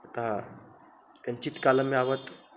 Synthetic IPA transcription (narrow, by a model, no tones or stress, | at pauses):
ət̪a | kənt͡ɕit̪kaləmiaʋət̪